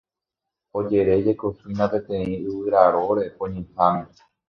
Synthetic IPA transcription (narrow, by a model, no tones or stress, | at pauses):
o̞d͡ʒe̞ɾe̞d͡ʒe̞kosɨnãpẽt̪ẽĩɨwɨɾaɾo̞ɾepõɲẽhamĩ